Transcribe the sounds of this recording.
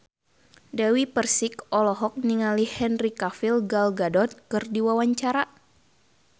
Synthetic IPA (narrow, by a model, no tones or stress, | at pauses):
dawipərsikɔlɔɦɔk̚niŋalihɛnrikafilɡalɡadɔt̪̚kɨrdiwawaɲt͡ʃaɾa